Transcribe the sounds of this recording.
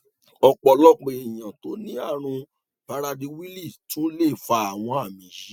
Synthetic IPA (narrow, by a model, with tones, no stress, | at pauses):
ɔ˧k͡pɔ˧lɔ˦k͡pe˨i˨j̃ã˨to˨˦nĩ˦a˦˨ɾ̃ũ˧ | pa˧ɾa˧di˧wi˦li˦˨tũ˦le˦˨fa˧a˨w̃ɔ̃˧a˨mĩ˨˦ji˨˦